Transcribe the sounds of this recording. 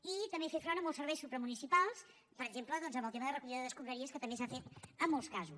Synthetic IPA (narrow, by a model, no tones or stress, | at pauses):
it̪əmbefefɾɔnəmɔlˠsəɾβɛjsupɾəmunisipalˠs | pəɾəɡʒempləðɔnzəmbəlˠt̪eməðərəkuʎiððəðəskumɾəɾiəskət̪əmbesafet̪əmːɔlˠskazu